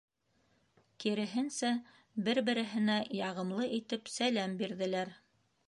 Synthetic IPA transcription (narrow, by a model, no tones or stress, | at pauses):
kiɾɘ̆ɦɘnsæ | bɘɾbɘ̆ɾɘ̆ɦɘ̆næjɑʁɤ̆mlˠɤʔit̪ɘpsælæmbiɾðɘ̆læɾ